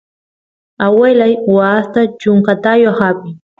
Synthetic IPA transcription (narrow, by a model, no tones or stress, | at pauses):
awelajwaːst̪at͡ʃʊŋkat̪ajohapɪ